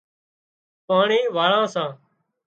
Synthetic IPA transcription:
paːɳiːʋaːɭãːsãː

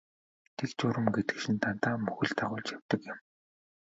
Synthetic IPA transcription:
t̪ʰekt͡ɕʊɾə̆mɡet̪ɘ̥̆kʃĭnt̪ʰan̥t̪aːmɵxɵ̆ɮt̪ʰaʁʊːɮt͡ɕjaw̥ʲt̪ə̆kjə̆m

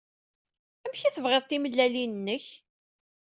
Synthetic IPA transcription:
æmçæθəvʁeðˤt̪iməlːælinənːəç

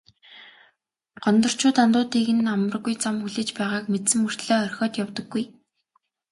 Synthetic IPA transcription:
ɢ̥ɔnt̪ɞ̆r̥t͡ɕʰʊːt̪ant̪ʊːt̪iːɣɘ̆namə̆r̆ɣujt͡samxuɮĕːt͡ɕpæːʁaːkmet̪sɘ̆mur̥t̪ɮɔːœrʲxʲɔːt̪jawt̪ɞ̆ɡːuj

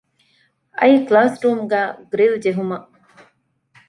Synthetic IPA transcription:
ɐiklaːsɾuːmɡæːɡɾild͡ʒeɦumɐʔ

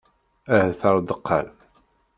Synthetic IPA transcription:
æhθəɾˤd̪əqʰːɑ̰l

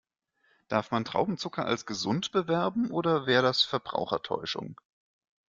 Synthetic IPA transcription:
d̥aɐfmantʁ̥a̰ʊbm̩t͡sʊkɐʔa̰lsɡ̥əzʊntb̥əvɛɐbm̩ʔoːɾɐvɛːʁədasfɛɐbʁa̰ʊxɐ̰tʰɔ̰ʏʃʊ̰ŋ

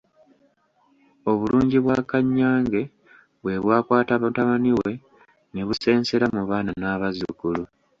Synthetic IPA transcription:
o̞βuluːɲɟiβwakaɲːaːŋɡe̞ | βwe̞βwaːkwaːtataβaniwe̞ | neβuse̞ːnse̞ɾamuβaːnanaːβazṵkulu

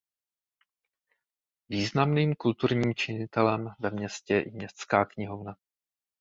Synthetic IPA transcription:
viːznamniːmkult̪uɾɲiːmt͡ʃɪɲɪt̪ɛlɛmvɛmɲɛscɛʔɪmɲɛst̪t͡skaːkɲɪɦovna

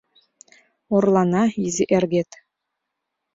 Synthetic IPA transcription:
oɾlˠɑnɑiziʔerɡet̪

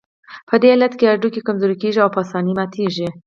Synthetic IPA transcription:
pʰəd̪eːlat̪keaɾɖukekamzuːɾikeːʒiawpʰɑsɑːnimat̪ʰiːʒi

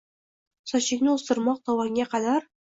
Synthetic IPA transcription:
sɒɕɪ̆knɘust̪ɤ̆ɾmɑq̚t̪ʰɒwɑŋɡʲæqɑd̪æɾ

